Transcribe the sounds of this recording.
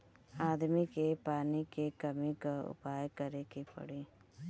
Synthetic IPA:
aːd̪mikepaːnikekɐmikaʊ̰paːjkəɾekepɐ̰ɽeː

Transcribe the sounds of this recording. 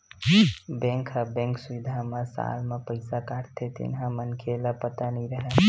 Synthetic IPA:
bẽŋkʰəbẽŋksuid̪ʱamesa̰lmepəɪsakaɾt̪ʰet̪ḭnɦãmənkʰeləpət̪aniɾəɦe

